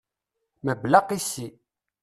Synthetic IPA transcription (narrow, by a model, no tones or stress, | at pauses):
məblaqisi